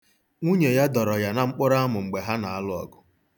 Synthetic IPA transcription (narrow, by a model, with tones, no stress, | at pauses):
ŋʷu˦ɲe˨ja˦dɔ˨ɾɔ˨ja˨na˨ŋ͡m̩˦k͡pʊ˦ɾa˦a˦mʊ˨ŋ͡m̩˨ɡ͡be˨ɦa˦na˨a˦lʊ˦ɔ̰˨ɡʊ̥˨